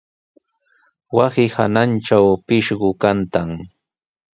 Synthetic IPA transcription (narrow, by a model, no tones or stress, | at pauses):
wasɪhananʈ͡ʂawpɪʃɢʊkant̪aŋ